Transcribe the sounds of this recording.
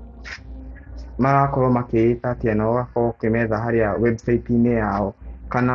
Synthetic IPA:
maɾakɔɾɔmakeeθatiɛnaɣakɔkemɛðaɦaɾejawɛbsaitinejaɔkana

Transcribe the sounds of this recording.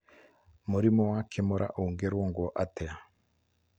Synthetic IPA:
muɾimɔwakʰemoɾʔa̰ʔoŋɡeɾwoŋɡwɔʔatɛa

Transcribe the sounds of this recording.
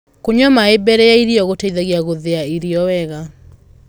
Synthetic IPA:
koɲɔmaebɛɾɛjaiɾiɔɣotaiðaɣiaɣoðeaiɾiɔwɛɣa

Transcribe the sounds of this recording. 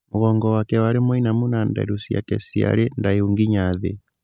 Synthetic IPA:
moɣɔŋɡɔwakɛwaɾemwɔinamunanda̰ɾusja̰kɛsia̰ɾendaeuŋɡiɲaðḛ

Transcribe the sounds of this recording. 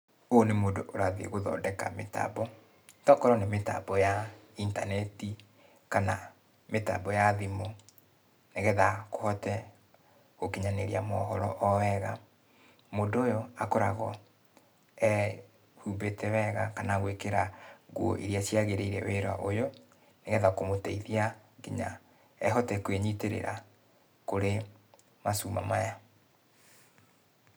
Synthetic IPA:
onemoːndoʔoɾaðḛɣoðɔ̰ːndɛka̰meta̰bɔ | tɔkɔɾɔnemeta̰bɔja | intanɛti | kana | meta̰bɔjaðimo | neɣɛðakohɔtɛ | ɣokiɲaneɾiamɔɦɔɾɔʔɔwɛɣa | moːndoojɔakoɾaɣɔ | ɛ | huːmbetɛwɛɣakanaɣwekeɾaɡuo̰ʔiɾjasjaɣeɾeiɾɛweɾwaʔojo | neɣɛðakomoteiðiaɡiɲa̰ | ɛɦɔtɛkweɲiteɾḛɾa | koɾe | masuːma̰maja

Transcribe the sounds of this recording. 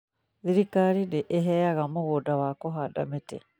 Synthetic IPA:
ðiɾikaɾideʔeɦɛjaɣamoɣodawakɔɦada̰metḛ

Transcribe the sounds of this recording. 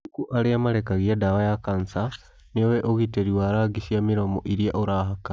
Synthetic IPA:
ukuʔaɾeamaɾekaɣiadawajakansa | neoweʔoɣiteɾiwaɾaɡisiamiɾomo̰ʔiɾiaʔoɾaɦaka

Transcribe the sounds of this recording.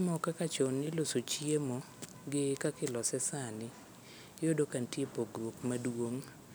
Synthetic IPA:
mɔkakat͡ʃɔnːɪlosot͡ʃjemɔ | ɡɪkakɪlɔsɛsanɪ | jodokantjepoɡɾwokmadwoŋ

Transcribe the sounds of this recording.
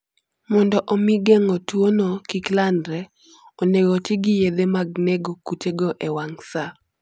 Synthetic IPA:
mɔndɔʔɔmɪɡɛŋɔtwonokiklandɾɛ | oneɡɔtɪɡɪjed̪emaɡ̚neɡokut͡ʃeɡoʔewaŋsa

